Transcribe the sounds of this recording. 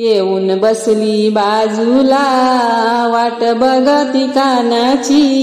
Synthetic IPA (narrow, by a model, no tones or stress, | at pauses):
jeuːnbəslibad͡zula | ʋaʈbəɡət̪ikanat͡ɕi